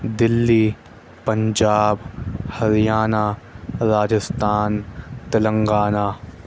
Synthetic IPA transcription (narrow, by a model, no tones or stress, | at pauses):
d̪ɪlːiː | pɐ̃ɲd͡ʒaːbhɐɾijaːnaːɾaːd͡ʒəst̪ʰaːnt̪ɐlə̃ŋɡaːnaː